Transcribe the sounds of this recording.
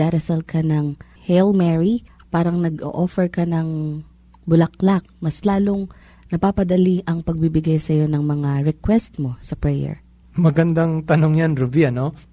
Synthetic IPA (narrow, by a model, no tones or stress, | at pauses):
aːɾɐsɐlkʰɐnɐŋ | hɛlmɛɹipaːɾɐŋnɐɡʔo̰ʔofɛɹkɐnɐŋ | bʊlɐk̚lak̚mɐslaːlo̞ŋ | nɐpaːpɐd̪ɐliʔɐŋpɐɡ̚bibɪɡajsɐjo̞nɐŋmɐŋaɾɛkwɛst̪̚mo̞sɐpɹɛjɛ̰ɹ | mɐɡɐnd̪aŋt̪ɐnoŋjanɾʊbiɐno